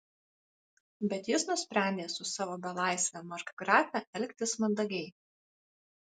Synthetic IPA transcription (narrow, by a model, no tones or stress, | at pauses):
bʲɛt̪jɪsnʊsʲpʲɾʲæˑnʲd̪ʲeːsʊsɑːʋoːbʲɛlˠɑˑɪsʲʋʲɛmɐʒkɡɾɑːfʲɛʔɛlʲkʲt̪ʲɪsmɐnd̪ɐɡʲɛɪ